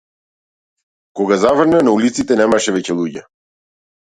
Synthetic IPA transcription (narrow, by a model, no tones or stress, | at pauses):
kɔɡazavr̩nanaulit̪sit̪ɛnɛmaʃɛvɛcɛlˠuɟɛ